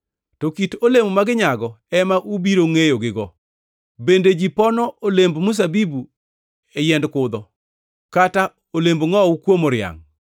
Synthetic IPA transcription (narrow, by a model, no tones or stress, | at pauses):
tɔkitolemomaɡɪɲaɡɔɛmaʔubiɾoŋejoɡɪɡɔ | bended͡ʒipɔnɔʔolembmus̬abibu | ɛjɛndkʊd̪ɔ | kata | olemboŋɔwukwomoɾɪa̰ŋ